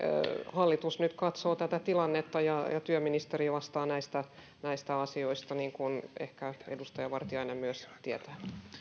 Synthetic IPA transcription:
hɑlːit̪usnyt̪kɑt̪soːt̪æt̪æt̪ilɑnːet̪ːɑjɑjɑt̪yøminist̪eɾiʋɑst̪ɑːnæist̪æ | næist̪æɑsio̞ist̪ɑniːŋkunḛhkæḛdust̪ɑjɑʋɑrt̪iɑinemmyøst̪iet̪æ̥ː

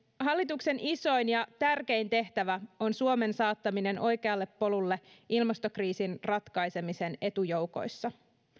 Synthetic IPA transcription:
ɦɑlːit̪ukse̞nʔiso̞jnjɑt̪ærke̞int̪e̞ht̪æʋæo̞nsuome̞nsɑːt̪ːɑmine̞no̞jke̞ɑlːe̞pːo̞lulːe̞ʔilmɑst̪o̞kriːsinrɑt̪kɑjse̞mise̞ne̞t̪ujo̞wko̞̰jsːɑ

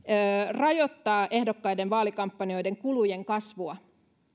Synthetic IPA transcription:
rɑjo̞t̪ːɑːʔe̞hdokːɑjdenʋɑːlikɑmpːɑnio̞jde̞ŋkuluje̞ŋkɑsʋuɑ

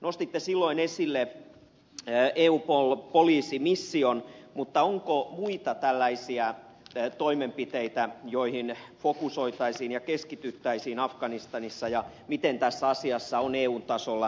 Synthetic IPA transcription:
nost̪it̪ːesilːoinesilːe | eːuːpolpoliːsimisːionmut̪ːɑoŋkomuit̪ɑt̪ælːæisiæ | t̪oimempit̪eit̪æjoihinfokusoit̪ɑisiːnjɑkeskit̪yt̪ːæisiːnɑfɡɑnist̪ɑnisːɑjɑ | mit̪ent̪æsːæɑsiɑsːɑoneːuːnt̪ɑsolːɑ

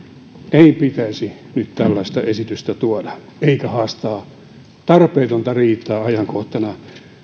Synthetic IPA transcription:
eipit̪æisi | nyt̪t̪ælːɑist̪ɑʔesit̪yst̪æt̪uɑdɑ | eikæhɑːst̪ɑː | t̪ɑrpeːt̪ont̪ɑriːt̪ːˑɑːɑjɑŋkoht̪ɑnɑ

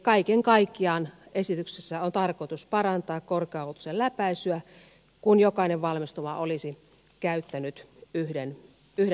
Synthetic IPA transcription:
kɑikeŋkɑikːiɑːnesit̪yksesːæont̪ɑrkoit̪uspɑrɑnt̪ɑːkkorkeɑolt̪u̥sellæpæisyæ | kunjokɑˑineʋʋɑlmist̪oʋɑʔolisi | kæyt̪ːænyt̪yhden | yhde

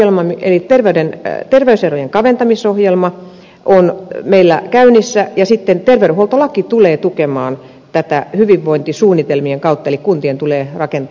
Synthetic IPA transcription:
elmɑmḛlit̪erʋeydent̪erʋeyserojeŋkɑʋent̪ɑmisohjelmɑ | ʔonmeilːæ̰kæynisːæjɑsit̪ːent̪erʋeɾuholt̪olɑkːit̪uleːt̪ukemɑːn | t̪æt̪æhyʋiʋːoint̪isuːnːit̪elmieŋkɑut̪ːɑelikkunt̪ient̪uleːrɑkent̪

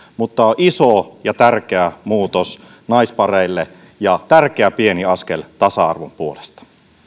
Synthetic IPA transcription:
mut̪ːɑoʔisojɑt̪ærk̟eæmuːt̪os | nɑispɑreilːe | jɑt̪ærk̟eæpieniɑskelt̪ɑsɑɑ̰rʋumpuolest̪ɑ̥

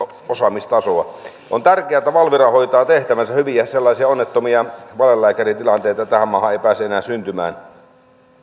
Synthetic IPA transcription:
osɑmist̪ɑsoɑ̰ | ʔo̰nt̪ærkeæt̪æʋɑlʋirɑhoit̪ɑːt̪eht̪æʋænsæhyʋiæselːɑˑisiɑonːet̪ːomiɑʋɑlelːæːkærit̪ilɑnt̪eːˑet̪ɑt̪æhæmmɑːhɑeˑipæːsyenæːsynt̪ymæ̰ːn

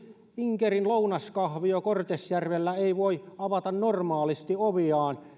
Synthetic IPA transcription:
iŋkerinlounɑskɑhʋiokort̪esjærʋelːæeiʋoiɑʋɑt̪ɑnnormɑːlist̪ioʋiɑːn

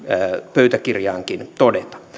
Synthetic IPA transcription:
pøyt̪ækirjɑːŋkint̪odet̪ɑ̥

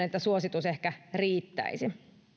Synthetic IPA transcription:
net̪ːæsuosit̪usehkæriːt̪ːæ̰isi

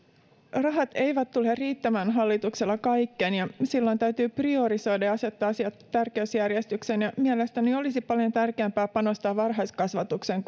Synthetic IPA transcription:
rɑɦɑt̪e̞jʋæt̪ːulerriːt̪ːæmæːnɦɑlːit̪ukselːɑkɑjkːenjɑsilːo̞nt̪æyɥt̪yːprio̞ɾiso̞jdɑjɑse̞t̪ːɑːsiɑt̪tːærkeɥsjærjest̪yksenjɑmie̞lest̪æneo̞lisipɑljo̞nt̪ærkeæmpæːpɑno̞st̪ɑːʋʋɑrɦɑjskɑsʋɑt̪ukse̞ŋ

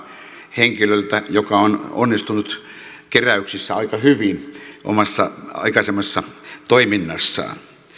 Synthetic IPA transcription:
heŋkilølt̪æjokɑono̰nːist̪unut̪ | keræyksisːæɑikɑhyʋinʔo̰mɑsːɑɑ̰ikɑsemːɑsesːɑt̪oiminːɑsːɑ̰ː

